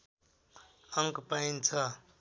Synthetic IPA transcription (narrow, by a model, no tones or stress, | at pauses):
əŋkpaint͡sʰa